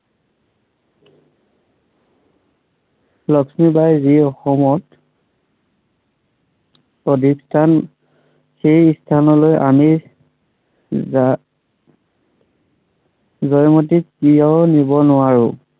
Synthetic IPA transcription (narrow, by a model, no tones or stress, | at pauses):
lɔksmibajziɔxɔmɔt | pɔdʱikstʰan | seistʰanɔlojʔa̰mi | zɔjmot̬ikijɔnibɔnʊwaɹʊ̰̃